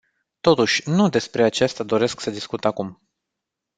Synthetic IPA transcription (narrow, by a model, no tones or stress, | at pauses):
t̪o̞t̪uʃʲnud̪e̞spɾe̞at͡ʃest̪ad̪o̞ɾe̞sksəd̪iskut̪akum